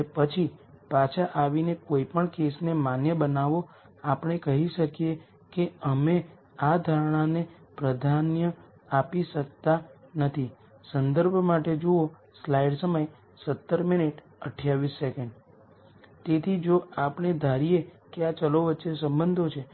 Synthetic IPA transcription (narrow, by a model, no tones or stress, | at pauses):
epət͡ʃʰipat͡ʃʰaʔaʋinekoipəɳkesnemanjəbənaʋo | apəɽ̃ekəɦiʃəkije | keəme | ad̪ʱaɾɽ̃anepɾəd̪ʱanjə | apiʃək̚t̪anət̪ʰi | sənd̪əɾbʱmaʈed͡ʒuo | slaiɖsəməj | sət̪ːəɾminiʈ | əʈʰjaʋisːekəɳɖ | t̪et̪ʰid͡ʒoapəɽ̃ed̪ʱaɾijekeat͡ʃəloʋətːʃesə̃mbənd̪ʱot͡ʃʰe